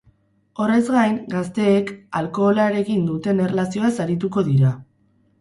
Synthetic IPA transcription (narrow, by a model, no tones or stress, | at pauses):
o̞re̞zɡajŋɡast̪e̞ːkalko̞ːlaɾe̞ɣind̪ut̪e̞ne̞rlasioesaɾit̪uko̞ðiɾa